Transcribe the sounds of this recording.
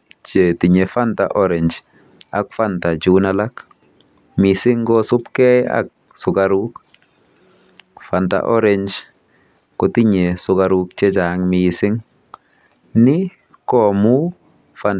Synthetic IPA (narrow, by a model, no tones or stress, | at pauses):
t͡ʃetiɲefanta̰ʔɔɾeɲd͡ʒ | a̰kfantad͡ʒunalak | misiŋɡɔsupkɛja̰k̚ | sʊɡaɾuk | fanta̰ʔɔɾeɲd͡ʒ | kɔtiɲesʊkaɾuk̚t͡ʃet͡ʃaŋmisɪŋ | ni | kɔmu | fan